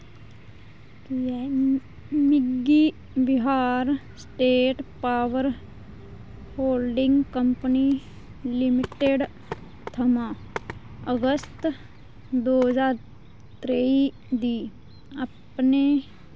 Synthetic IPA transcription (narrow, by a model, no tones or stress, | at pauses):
kj | mɪɡi | bɪɦaːɾsʈeːʈpaːʋəɾ | hoːlɖɪ̃ŋɡkəmpəni | lɪmɪʈeɖ | t̪ʰɐma | əɡəst̪ | d̪oːd͡ʒaːɾ | t̪ɾei | d̪iː | ɐpne